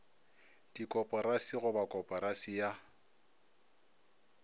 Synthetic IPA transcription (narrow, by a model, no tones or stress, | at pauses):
d̥ikʼɔpʼɔɾasiɣʊbakʼɔpʼɔɾasija